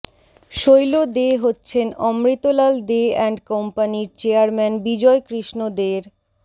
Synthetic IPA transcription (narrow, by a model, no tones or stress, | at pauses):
ʃojlod̪eɦotːɕʰenɔmɾit̪olald̪eɛɳɖkɔmpaniɾt͡ɕeaɾmɛnbid͡ʑɔekɾiʃnod̪eɾ